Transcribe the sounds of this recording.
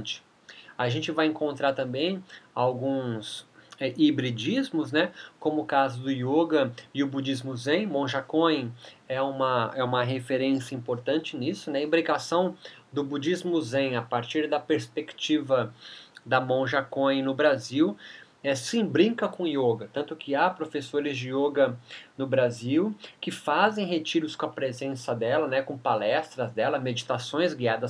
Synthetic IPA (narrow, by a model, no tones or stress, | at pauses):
t͡ʃɪ̥ | aʒẽnt͡ʃɪvajẽŋkõnt̪ɾaɾt̪ɐ̃mbẽj̃awɡũsɛʔibɾid͡ʒizmʊznɛkõmʊkazʊd̪ʊjoɡɐɪʊbud͡ʒizmʊzẽj̃mõʒakõj̃ɛũmɐɛũmɐɦefeɾẽsjɐĩmpoɾt̪ɐ̃nt͡ʃɪnisʊnɛĩbɾikasɐ̃w̃d̪ʊbud͡ʒizmʊzẽj̃apaɾt͡ʃiɾd̪ɐpeɾspekt͡ʃivɐd̪ɐmõʒakõj̃nʊbɾaziw | ɛsĩbɾĩŋkɐkõioɡɐt̪ɐ̃nt̪ʊkɪapɾofesoɾɪzd͡ʒɪoɡɐnʊbɾaziwkɪfazẽj̃ɦet͡ʃiɾʊskõɐpɾezẽsɐd̪ɛlɐnɛkõpalɛst̪ɾɐzd̪ɛlɐmed͡ʒit̪asõj̃zɡiad̪ɐs